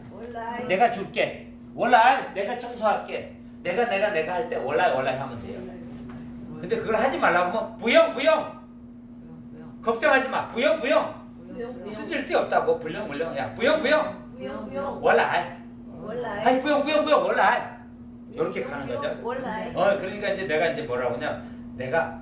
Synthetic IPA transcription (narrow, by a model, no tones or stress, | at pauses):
ne̞ɡat͡ɕuk͈e̞ | wʌɭːaɭne̞ɡat͡ɕʰʌŋsʰoɦak͈e̞ | ne̞ɡane̞ɡane̞ɡahaɭt͈e̞wʌɭːaewʌɭːaɦamɯndḛjo̰ | kɯnde̞kɯɡʌɭɦad͡ʑimaɭːaɡomjʌnpujʌŋpujʌŋ | kʌp̚t͡ɕ͈ʌŋɦad͡ʑimapujʌŋbujʌŋ | sʰɯd͡ʑiɭt͈eʌp̚t͈aɡopuʎːʌŋmuʎːjʌŋɦeja̰pujʌŋbujʌŋ | wʌɭːa | aipujʌŋbujʌŋbujʌŋwʌɭːaje | jʌɾʌkʰe̞kanɯŋɡʌd͡ʑoʌkɯɾʌɲik͈aind͡ʑe̞ne̞ɡaind͡ʑe̞mʌɾaɡoɲo | ne̞ɡa